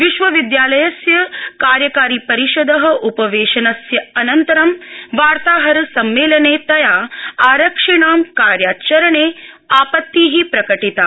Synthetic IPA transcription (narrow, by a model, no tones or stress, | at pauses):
ʋiʃʋɐʋid̪jaːlɐjɐsjɐkaːɾjɐkaːɾipɐɾiʃod̪ɐɦɐʔupɐʋeːʃɐnɐsjɐɐnɐnt̪ɐɾɐmʋaːɾt̪aːɦɐɾɐsɐmːeːlɐneːt̪ɐjaːaːɾɐkʂiɳaːmkaːɾjaːt͡ʃɐɾɐɳeːaːpɐt̪ːiːɦipɾɐkɐʈit̪aː